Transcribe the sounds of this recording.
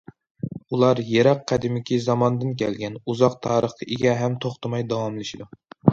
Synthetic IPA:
ulˠɑɾjeɾɑqʰːæd̪ɪmɪkʲʰizɑmɑnd̪ɨnkʲʰɛ̰lɡʲɛnuzɑq̚t̪ʰɑːɾəχt̪ʰɨʔeɡʲɛɦɛmt̪ʰoχt̪ʰɨmɑjd̪ɑwɑmlˠɨʃid̪u

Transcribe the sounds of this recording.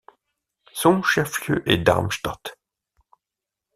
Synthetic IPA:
sɔ̃ʃɛfljøːʔed̪a̰ʁmʃt̪at̪

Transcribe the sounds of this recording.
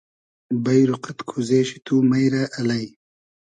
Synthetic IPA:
bɐjɾuqat̪kʰuzeːʃi̥t̪ʰumajɾaʔɐlaj

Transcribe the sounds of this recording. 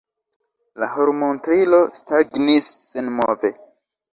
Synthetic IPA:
lahoɾmontɾilo̞staɡnisːenmove

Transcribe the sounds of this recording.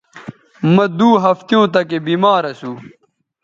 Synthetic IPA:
mɐ̃d̪uːɦɐft̪jõːt̪ɐkebiːmaːɾɐsuː

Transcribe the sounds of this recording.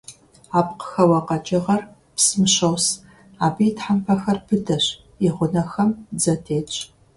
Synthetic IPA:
aːp̚qə̥xɐwɐqɐt͡ʃʼɪʁɐr | psɨmɨɕɐws | aːbijtħampʰɐxɐrbʰɨdɐɕ | ɪʁʷʊnɐxɐmd͡zɐtʰeːt͡ʃʼ

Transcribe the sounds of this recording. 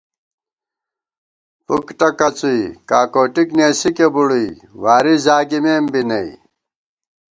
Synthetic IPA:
pukʈɐkɐt͡suikaːkoːʈikneːsikebuɽui | waːɾizaːɡimeːmbinɐi

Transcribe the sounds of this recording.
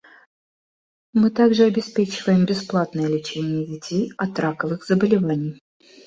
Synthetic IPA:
mɨt̪aɡʐɨɐbʲɪspʲet͡ɕɪvəjɪmbʲɪsplˠat̪nəjəlʲɪt͡ɕenʲɪjəvʲɪtʲʰejɐt̪ɾakəvɨxzəbəlʲɪvanʲɪj

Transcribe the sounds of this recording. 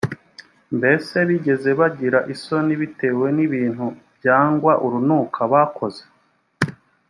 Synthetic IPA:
mbe̞se̞βiɟe̞ze̞βaɟiɾaʔiso̞niβite̞ːwe̞niβiːn̥hubjaːŋɡwaʔuɾunuːkʰaβako̞ze̥

